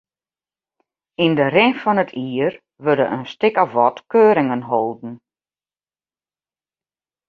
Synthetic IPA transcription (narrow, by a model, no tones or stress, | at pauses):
indəɾɛŋfɔnətʰiːər | ʋødə̰ʔənstɪkɔfʋɔtkøːɾɪŋənɦolˠdn̩